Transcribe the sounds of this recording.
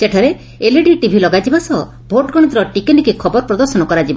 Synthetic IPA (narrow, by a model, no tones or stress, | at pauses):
seʈʰɔɾe | eleɖiʈibʱilɔɡad͡ʒibasɔ | bʱoʈɡɔɽ̃it̪ɾɔʈikenikikʰɔbɔɾpɾɔd̪ɔɾsɔnɔkɔɾad͡ʒibɔ